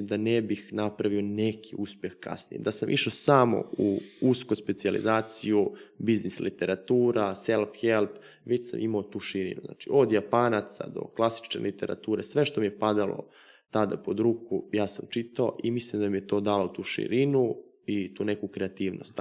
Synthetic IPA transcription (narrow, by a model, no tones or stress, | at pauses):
imd̪anebixnapɾaʋio̞ne̞kʰiuspje̞xka̰snḭjḛd̪asamʔḭʃosamo̞̰uuskospe̞t̪sialḭzaːt̪sijubiznislit̪e̞ɾat̪uːɾaselˠfxelˠp | ʋet͡ɕsa̰mʔimaot̪uːʃiɾḭnṵzna̰t͡ʃio̞d̪japaːnat̪sa̰d̪o̞̰klˠasi̥t͡ʃnḛlit̪e̞ɾa̰t̪uːɾe̞sʋe̞ʃt̪o̞mije̞pad̪alo̰ | t̪ad̪a̰po̞d̪ɾuːkʰujaːsamt͡ʃit̪ao̰ʔimislˠimd̪amijet̪o̞ːd̪aːlot̪uːʃḭɾinu | it̪uːne̞kukɾeat̪iːʋno̰st̪